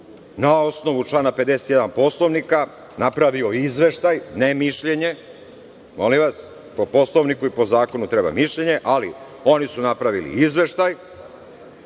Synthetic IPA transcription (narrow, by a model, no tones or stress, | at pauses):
nao̞sno̞ʋut͡ʃlˠaːnape̞d̪eset̪jed̪anpo̞slˠo̞ʋnika | napɾaʋio̞izʋe̞ʃt̪ajnemiʃʎeɲe̞ | mo̞limʋas | po̞po̞slˠoʋnikuipo̞zaːko̞nut̪ɾeba̰miʃʎe̞ɲe̞ʔali | o̞nisunapɾaʋilḭizʋe̞ʃt̪aj